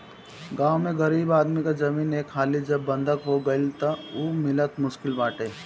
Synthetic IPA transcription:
ɡãːwmẽɡɐɾiːbaːd̪mikad͡ʒɐmiːneːkʰxaːlid͡ʒɐbːɐ̃nd̪ʱəkɦoɡɐɪlt̪ɐumɪlət̪mʊʃkɪlbaːʈeː

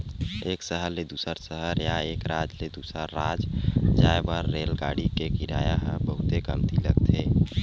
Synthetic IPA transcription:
eːksəɦəɾled̪uːsəɾsəɦəɾjaeːkɾaːd͡ʒled̪uːsɾəɾːaːd͡ʒd͡ʒaːebəɾːeːlɡaːɽikekiɾaːjaɦə̃bəɦʊt̪ekəmt̪ʰilə̰ɡt̪ʰeː

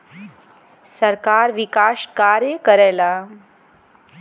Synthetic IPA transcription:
səɾkaːɾʋɪkaːʃkaːɾjəkəɾeːlaː

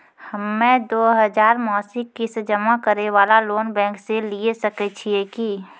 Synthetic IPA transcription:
həmːẽd̪oːɦəd͡ʒaːɾmɔːsɪkːisd͡ʒəmakəɾeʋaːlaloːnbɛ̃ːŋkseliesəket͡ʃʰieki

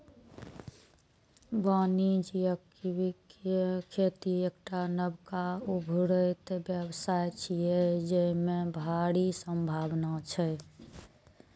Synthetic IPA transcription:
banid͡ʒjək | iikkʰet̪iekʈanəbkaubʱɾəjt̪bjəbsajt͡ʃʰijed͡ʒəmebʱaɽisəmbʱabnat͡ʃʰɛ

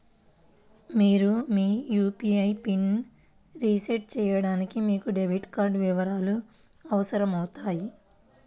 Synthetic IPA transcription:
miːɾumiːjuːpiːɐjpin | ɾiːseʈ̚t͡ʃɛːjɐɽaːnikimiːkuɖeʋiʈkaːɾɖʋiʋɐɾaːlu | ɐʋɐsɐɾɐmɐwut̪aːji

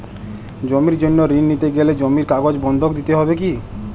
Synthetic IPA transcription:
d͡ʑomiɾd͡ʑonːoɾinːit̪eɡeled͡ʑomiɾkaɡod͡ʑbɔnd̪ʱokd̪it̪eɦɔbek̬i

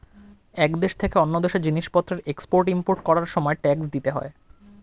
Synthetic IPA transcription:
ɛkd̪eʃt̪ʰekeɔnːod̪eʃed͡ʑiniʃpɔt̪ːɾeɾekspoɾʈimpoɾʈkɔɾaɾʃɔmɔeʈɛksd̪it̪eɦɔ̰e

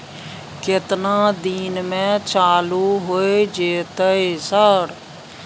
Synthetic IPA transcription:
kɪt̪nãːd̪iːnmɛ̃ːt͡ʃaːluːɦoːed͡ʒeːt̪əeːsəɽ

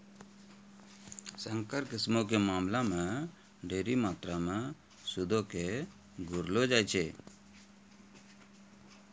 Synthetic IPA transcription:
saŋkaɾkismɔk̬ɛmamlama | ɖeɾimat̪ɾama | sud̪ɔke | ɡuɾlɔd͡ʒajt͡ʃʰɛ

